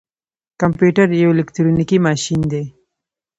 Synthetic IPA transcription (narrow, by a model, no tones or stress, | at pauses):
kampjuʈaɾjawelɪkʈɾonikimɑʃind̪e